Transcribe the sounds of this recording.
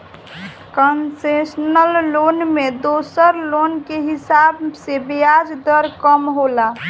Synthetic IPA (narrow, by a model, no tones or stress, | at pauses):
kənsesnəlːonmed̪osəɾlonkeɦisabsebijad͡ʒd̪əɾkəmɦola